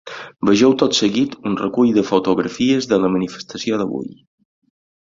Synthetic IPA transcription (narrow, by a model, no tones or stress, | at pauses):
bəʒɛwt̪ot̪səɣit̪unrəkuʎðəfut̪uɣɾəfiəzðələmənifə̥st̪əsioðəβṵj